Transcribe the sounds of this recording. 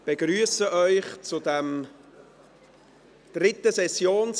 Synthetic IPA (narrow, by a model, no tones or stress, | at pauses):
b̥eɡryəsəʔœʏχt͡sʊdɛm | d̪̥rɪt̪əsɛsjoːns